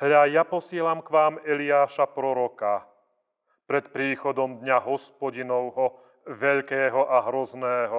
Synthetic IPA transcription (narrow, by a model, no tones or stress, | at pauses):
hʎajapɔsɪɛlamkʋaːmɛlɪaːʃapɾɔɾɔka | pɾɛt̪pɾiːxɔd̪ɔmd̪ɲaɦɔspɔɟinɔʊɦɔ | ʋɛʎkɛːɦɔʔaɦɾɔznɛːɦɔ